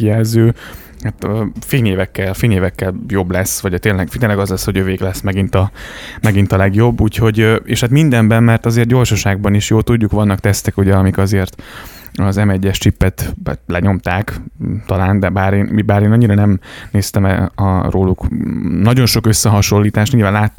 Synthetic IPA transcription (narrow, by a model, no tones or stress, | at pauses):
ijɛlzøː | hat̪øfeːneːvɛkːɛlfeːneːvɛkːɛljo̞blɛsːʋɒɟt̪eːnlɛɡfeːnlɛɡɒzlɛsːhoɟøveːɡlɛsːmɛɡint̪ɒmɛɡint̪ɒlɛɡjo̞bːuːcho̞ɟeːʃhat̪mind̪ɛmbɛmmɛrt̪ɒzeːrt̪ɟo̞rʃɒʃaːɡ̚bɒniʃjoːt̪uɟːukʋɒnːɒk̚t̪ɛst̪ɛkuɟɛɒmikɒzeːrt̪ | ɒzɛmɛɟːɛʃt͡ʃipːɛt̪ɛ̰t̪lɛɲo̞mt̪aːkt̪ɒlaːnd̪ɛbaːɾeːnmibaːɾeːnɒɲːiɾɒnɛmneːst̪ɛmɛ̰ɒ̰roːluknɒɟo̞nʃo̞kø̞sːɛɦɒʃo̞lːiːt̪aːʃt̪ɲiːlvaːnlaːt̪ː